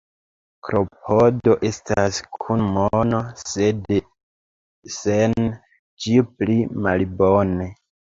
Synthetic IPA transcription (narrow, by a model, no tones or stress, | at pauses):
kɾo̞pʰodo̞ʔe̞staskʰunmonosed | sen | d͡ʒiplimalbone